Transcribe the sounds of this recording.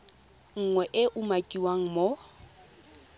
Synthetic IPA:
ŋ̩ŋwɛʔɪʔʊmakʼiwaŋ̩mo

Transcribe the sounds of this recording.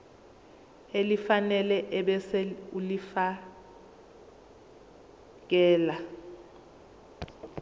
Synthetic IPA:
elifanɛlɛʔɓɛsɛulifa | k̬ɛːla

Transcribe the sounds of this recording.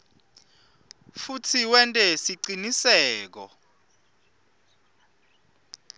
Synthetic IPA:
futʰiwɛntʼɛsiǀinisɛːk̬ɔ̰

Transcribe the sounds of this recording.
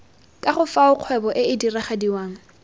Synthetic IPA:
kʼaχʊfaʊq͡χʰwɛbɔʔɪɪdiraχadiwaːŋ̩

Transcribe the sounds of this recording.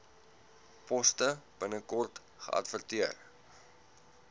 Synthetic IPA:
pɔstəb̥ənəkɔrt | χə̰ʔɐ̰tfərtiər

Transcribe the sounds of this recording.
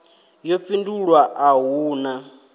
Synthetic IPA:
jɔp̪finduɺwaʔaɦuːna

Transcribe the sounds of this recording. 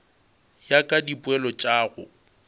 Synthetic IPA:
jakʼadipʼwɛlɔt͡ʃʼaːɣʊ

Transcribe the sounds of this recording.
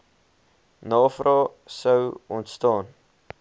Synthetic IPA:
nɑːfrʔɑːsəwɔntstɑːn

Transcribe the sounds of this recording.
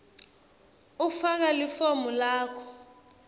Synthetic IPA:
ufak̬alifomulaːkʰɔ̥

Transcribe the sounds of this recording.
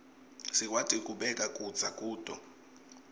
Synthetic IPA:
sikʼwatʼikʼuɓɛkʼakʼudd͡zʱakʼuːd̥ʱʼɔ

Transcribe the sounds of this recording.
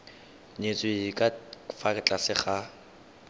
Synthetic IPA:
ɲet͡sʼwekʼafakʼɪt͡ɬʼasɪχa

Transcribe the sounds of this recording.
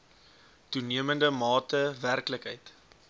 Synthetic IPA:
tuniəməndəmɑːtəværkləkɦəjt

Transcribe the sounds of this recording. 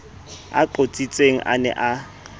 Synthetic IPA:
a̰ǃot͡sʼit͡sʼeŋ̩ʔa̰nɛ̰ʔa

